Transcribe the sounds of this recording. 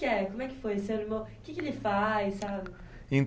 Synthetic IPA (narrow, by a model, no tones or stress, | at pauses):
ɪɛkõmʊɛkɪ̥fojsẽbɪmekɪkɪelɪfajsabɪ | ẽ